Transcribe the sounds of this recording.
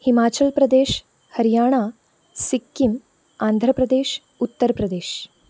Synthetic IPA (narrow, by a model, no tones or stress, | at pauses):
himaːt͡ʃɐlpɾɐd̪eːʃ | hɐɾijaːɳaː | sikːim | aːnd̪ʱɾɐpɾɐd̪eːʃ | ut̪ːɐɾpɾɐd̪eːʃ